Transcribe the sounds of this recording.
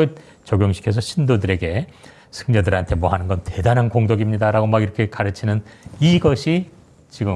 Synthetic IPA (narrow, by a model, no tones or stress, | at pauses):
t͡ɕʌɡjoŋɕʰi̥kʰesʰʌɕʰindodɯɾe̞ɡe̞ | sʰɯ̥ŋɲʌdɯɾantʰe̞mwʌɦanɯnɡʌnte̞danɯnkoŋdoɡimɲidaɾaɡomaɡiɾʌkʰe̞kaɾɯt͡ɕʰinɯniɡʌɕʰi | t͡ɕiɡɯ